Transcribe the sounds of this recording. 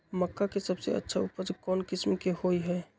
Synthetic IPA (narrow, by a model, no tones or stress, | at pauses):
məkːakesəbsḛə̰tːʃʰa̰ʊpəd͡ʒkɔːnkɪsmkehoːiɦɛː